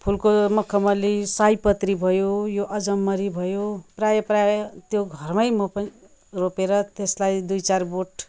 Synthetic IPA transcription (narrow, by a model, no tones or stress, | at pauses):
pʰulkomʌkʰʌmʌlisajpʌt̪ribʱʌjojoʔʌd͡zʌmːʌɾibʱʌjoprajʌprajt̪joɡʱʌrmʌjmʌpʌn | ropeɾʌt̪eslajd̪ujt͡sarboʈ